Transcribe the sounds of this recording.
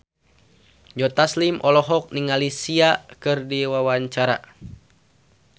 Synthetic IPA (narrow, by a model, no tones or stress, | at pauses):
d͡ʒɔt̪aslimʔɔlɔɦɔk̚niŋalisiakɨrdiwawaɲt͡ʃaɾa̰